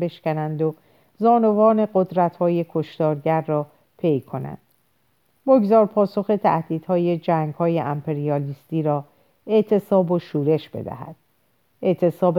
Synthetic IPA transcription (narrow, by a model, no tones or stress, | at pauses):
be̞ʃkænænd̪o | zɒːno̞vɒːne̞ɢo̞d̪ɾæt̪hɒːje̞kʰo̞ʃt̪ɒːɾɟæɾːɒː | pʰe̞jkʰo̞næ̰nd̪̥ | boɡzɒːɾpʰɒːso̞xe̞t̪ʰæ̰hd̪̥iːd̪̥hɒːje̞d͡ʒæːŋɡhɒːjeʔæmpʰe̞ɾiɒːliːst̪iːɾɒː | e̞ʔt̪ʰe̞sɒːboʃuːɾe̞ʃb̥e̞̰d̪æ̰hæ̰d̪̥ | eʔt̪ʰe̞sɒːb